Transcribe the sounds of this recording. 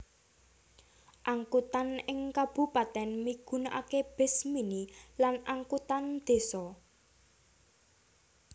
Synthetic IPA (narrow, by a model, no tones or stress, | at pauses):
ʔaŋkut̪anɪŋkab̥ṳpat̪ɛnmiɡ̥ṳnʔa̰keb̥e̤sminilanaŋkut̪and̪̥e̤sɔ